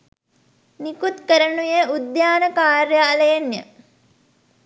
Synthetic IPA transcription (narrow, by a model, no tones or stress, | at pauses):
nikut̪kəɾənujəud̪jaːnəkaːɾjaːləjenjə̰